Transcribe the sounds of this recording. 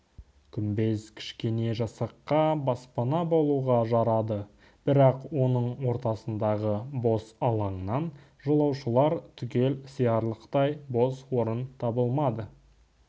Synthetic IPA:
kʲʰʏmbe̞zkʲʰɪ̥ʃkʲe̞ne̞ʒɑsɑqːɑbɑspɑnɑbolˠuʁɑʒɑɾɑd̪ə | b̥ɪɾɑqwo̞nəɴwo̞ɾt̪ɑsənd̪ɑʁəbo̞sɑlˠɑɴənɑn | ʒolˠɑwʃəlˠɑɾt̪ʰʏkʲe̞lsijɑɾlˠəqt̪ɑjbo̞swo̞ɾənt̪ʰɑbəlˠmɑd̪ə

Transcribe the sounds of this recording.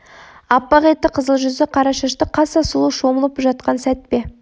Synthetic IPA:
ɑpːɑʁet̪ːɪqʰəzəlˠʒʏzɪqʰɑɾɑʃɑʃt̪əqʰɑsɑsəlˠuʃo̞məlˠəpʒɑt̪̚qɑnsæt̪̚pe̞

